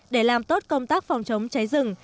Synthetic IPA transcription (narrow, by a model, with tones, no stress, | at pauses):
ɗe˧˩laː˨˩mt̪o˦˥t̚kə˧wŋ͡mt̪aː˦˥k̚fɔ˨˩wŋ͡mt͡ɕə˨˦wŋ͡mt͡ɕa˨˦jzɨ˨˩ŋ